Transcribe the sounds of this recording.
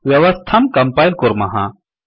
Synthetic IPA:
ʋjɐʋɐst̪ʰɐmkɐmpaːjlkʊɾmɐɦã̰

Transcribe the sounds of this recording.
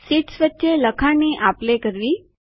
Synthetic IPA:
siʈsʋət̪ːɕeləkʰaniʔaplekəɾʋiː

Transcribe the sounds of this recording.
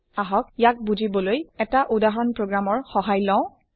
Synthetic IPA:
aɦɔkjak̚buzʱibɔlojɛtaʔudaɦɔɹɔnpɹoɡɹamɔɹxɔɦajlɔ̃ʊ̃

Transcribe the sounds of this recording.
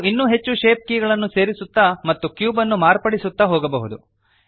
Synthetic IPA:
inːuɦet͡ʃːuʃe̞ːp̚kiːɡɐɭɐnːuse̞ːɾisut̪ːɐmɐt̪ːukjuːbɐnːumaːɾpɐɽisut̪ːɐɦoːɡɐbɐɦud̪u

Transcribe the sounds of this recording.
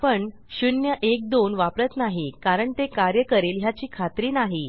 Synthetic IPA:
pəɳ | ɕunjəʔek̚d̪onʋapɾət̪naɦikaɾəɳt̪ekaɾjəkəɾelɦjat͡ɕiːkʰat̪ɾiːnaɦi

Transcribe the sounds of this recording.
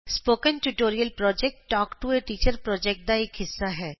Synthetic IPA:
spoːkə̃nʈuʈoːɾijəlpɾɔːd͡ʒɛk̚ʈːɔːkʈueʈiːt͡ʃəɾpɾɔːd͡ʒɛk̚ʈ̚d̪aeːkɦɪsːaɦɛː

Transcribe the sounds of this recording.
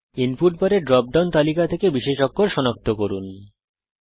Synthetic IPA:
inpuʈ̚bɔɾeɾɖɾɔp̚ɖawnt̪alikat̪ʰekebiʃeʃokːoɾʃɔnok̚t̪ʰokoɾun

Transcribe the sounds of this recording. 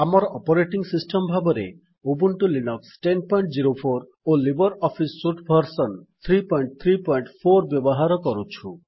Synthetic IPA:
amɔɾɔʔɔpɔɾeʈiŋsisʈɔmbʱabɔɾḛ | obunʈulinɔksʈenpɔiɳʈd͡ziɾopʰoɾ | olibɔɾɔpʰisːuʈpʰɔɾsɔnt̪ʰɾipɔiɳʈ̚t̪ʰɾipɔjɳʈpʰoɾbjɔbɔɦaɾɔkɔɾut͡ʃʰu

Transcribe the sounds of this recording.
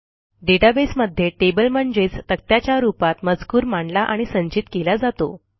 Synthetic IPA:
ɖeʈabesməd̪ʱjeʈebəlməɳd͡zet͡st̪ək̚t̪jat͡ɕjaɾupat̪məd͡zkuːɾmaɳlaʔaɽ̃isəɲt͡ɕit̪kelad͡zat̪o

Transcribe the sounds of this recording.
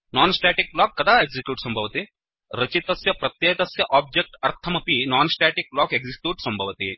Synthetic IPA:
naːnsʈaːʈik̚blaːkːɐd̪aːeɡzikjuːʈsɐmbʱɐʋt̪e | ɾɐt͡ʃit̪ɐsjɐpɾɐt̪jeːt̪ɐsjɐʔaːb̚d͡ʒek̚ʈɐɾt̪ʰɐmɐpinaːnsʈæːʈik̚blaːkeɡzikjuːʈsɐmbʱɐʋɐt̪ḛː

